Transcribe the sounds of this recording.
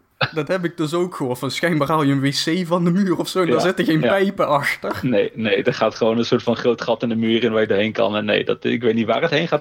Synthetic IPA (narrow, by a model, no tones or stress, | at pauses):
dɑtɦɛpɪɡ̚dɵsowkxəɔːtfɑnsxɛjnbaːralˠjəənʋeːsejvɑndəmyːrɔfsowɛndɔɹzɪtəɣejnppɛjpəʔɑxtərnejnejdɑtχaːtχəʋoːnənsʊːɹtfɑnχrowtχɑtɪndəmyːrɪnʋaːjədəɹɦejnkɑ̰nɛnːḛjdɑ̰tɪkʋejtnitʋa̰ːrətɦejnχaːt